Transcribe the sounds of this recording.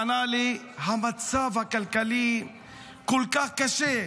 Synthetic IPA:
ɐnaːle | ɦɐmɐt̪savɐkɐlkɐli | kulkakɐʃe

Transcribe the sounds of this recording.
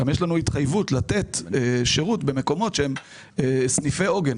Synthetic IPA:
amjeʃlanuit̪χajvutlat̪e̞tʃeʁutbe̞me̞ko̞mo̞tʃeem | snife̞o̞ɡen

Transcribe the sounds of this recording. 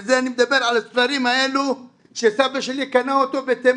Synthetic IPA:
zeanimed̪abeʁʕalasfaʁimaelu | ʃesabeʃelikanaot̪obet̪em

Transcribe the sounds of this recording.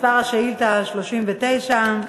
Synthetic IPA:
paʁaʃeilt̪aʃloʃimvet̪ejʃa

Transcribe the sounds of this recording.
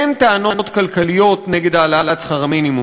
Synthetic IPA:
ent̪aano̞n̞t̪kalkalijo̞tneɡe̞d̪aːlalat͡sχaʁaminimu

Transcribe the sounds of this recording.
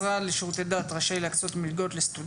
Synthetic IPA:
ʁaleʃʁut̪ed̪at̪ʁaʃejlakt͡so̞t̪milɡo̞t̪lest̪ud

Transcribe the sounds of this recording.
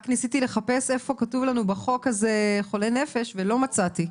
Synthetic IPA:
knisitile̞χape̞se̞fo̞katuvlanubaχo̞kːazeχo̞le̞ne̞fe̞ʃvelo̞mat͡sati

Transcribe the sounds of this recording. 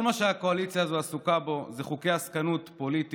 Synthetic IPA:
lmaʃeako̞alit͡sjazoasukabo̞zeχuke̞jaskanutpo̞lit̪i

